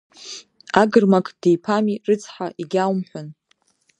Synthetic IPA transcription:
aɡɨrmakʼd̥e̞jpʰamirɨt͡sʼʰħaʔiɡʲawmħʷᶣʊn

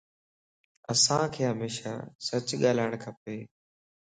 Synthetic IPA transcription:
əsãːkʰeːɦəmeːʃa̰ːsət͡ʃɠaːlaːɪɽ̃kʰəpeː

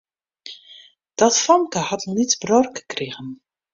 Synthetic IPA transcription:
d̥ɑtfɔŋkəhɑtnitbrɔrkəkrɪɣən

